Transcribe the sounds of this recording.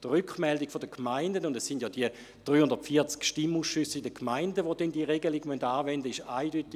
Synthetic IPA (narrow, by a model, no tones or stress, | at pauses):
tʁʏkχmɛldɪkfodəkʰmaɪndənʊndɛsːɪndjɔdiə | d̥ʁyːhʊndɐtfiɐt͡skʃtimuːsʃysːidəkʰmaɪndəʋodɛndiəʁeɡəliɡmœndaːvɛndəɪʃaɪdytɪ